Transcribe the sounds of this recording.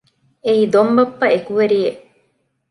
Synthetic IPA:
eid̪ombɐpːɐekuʋeɾieʔ

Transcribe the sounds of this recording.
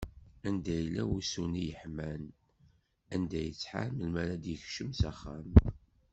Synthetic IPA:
ænd̪æjlːæwusunijəħmæn | ænd̪æjət͡sːħa̰məlmæɾad̪jəçʃəmsæχːæm

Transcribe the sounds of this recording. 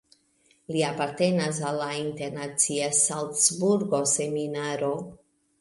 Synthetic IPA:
liapaɾte̞nas̬alːainte̞ɾnat͡siasaltsbuɾɡo̞se̞minaɾo̞

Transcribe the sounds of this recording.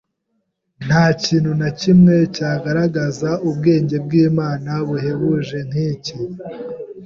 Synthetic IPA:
n̥haːciːnhunacimŋe̞caːɡaɾaɡazaubɡe̞ːɲɟe̞b̚ɡiːmaːnaβuhe̞βuʒe̞n̥hiːci

